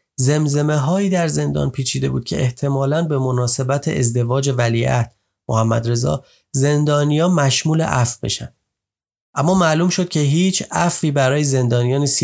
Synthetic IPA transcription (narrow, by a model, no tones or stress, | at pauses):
ze̞mze̞me̞ɦɒːiːd̪æɾze̞nd̪ɒ̰ːnpʰiːt͡ʃʰiːd̪e̞buːd̪̚cʰe̞̰ʔeht̪ʰe̞mɒːlænbe̞mo̞nɒːse̞bæt̪ʰḛʔḛzd̪e̞vɒːd͡ʒe̞vælḭːʔæ̰ht̪ | mohæmːæ̰d̪ɾe̞zɒ̰ː | ze̞nd̪ɒːnijɒːnmæʃmuːlḛʔæfbe̞̰ʃænd̪̥ | ʔæmːɒːmæluːmʃod̪̚cʲʰe̞ɦiːt͡ʃʰæfiːbæɾɒːjeze̞nd̪ɒːnijɒːniːs